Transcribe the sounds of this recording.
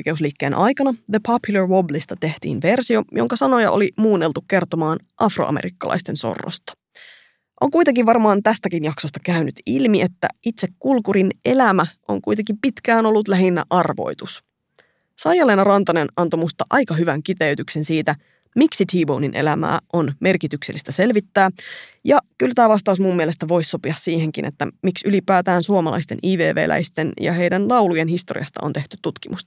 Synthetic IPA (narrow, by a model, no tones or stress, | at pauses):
jke̞usliːkːeːnʔɑ̰jkɑnɑðəpʰɑpjulɑrwoblist̪ɑt̪e̞ht̪ḭːnʋe̞rsio̞jo̞ŋkɑsɑno̞jɑ̰ʔo̞̰limuːnːe̞lt̪ukke̞rt̪omɑːn | ʔɑfro̰ɑ̰meɾikːɑ̰lʔɑ̰jst̪e̞nso̞̰rːo̰st̪ɑ̥ | ʔo̞ŋkujt̪e̞ŋkiʋʋɑrmɑːnt̪æst̪ækinjɑksost̪ɑkæynyt̪ilmie̞t̪ːæ̰it̪se̞kːulkuɾine̞læmæʔo̞̰ŋkujt̪eŋkimpit̪kæːno̞lːut̪læɦinːæ̰ʔɑrʋo̞̰jt̪us | sɑjɑlenɑrɑnt̪ɑnenɑnt̪omust̪ɑʔɑjkɑɦyʋæŋkit̪eyt̪ykse̞nsiːt̪æ | miksit̪ʰiːbowninʔe̞̰læmæ̰ːʔo̞nme̞rkit̪ykselːist̪æse̞lʋit̪ːæːjɑkylt̪æːʋɑst̪ɑusmumːielest̪æʋo̞jsːo̞piɑssiːhe̞ŋkḭnʔḛt̪ːæ̰miksylipæːt̪æːnsuomɑlɑ̰ist̪e̞nʔiːʋḛːʋḛːlʔæ̰jst̪enjɑ̰ɦe̞jdænlɑulujenhist̪o̞rḭɑst̪ɑ̰ont̪e̞ht̪yt̪ːut̪kimust̪ɑ̥